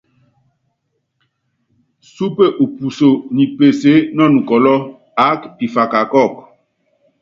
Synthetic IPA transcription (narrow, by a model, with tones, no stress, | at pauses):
su˦pe˦ʔo˨pu˨so˨ni˨pe˨se˨˦nɔ˦˨nũ˨kɔ˨lɔ˦ | a˦ki˨fa˨ka˨kɔ˦˨k